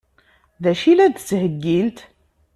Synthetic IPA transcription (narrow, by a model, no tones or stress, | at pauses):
ðæʃilæðshəɡːilt̪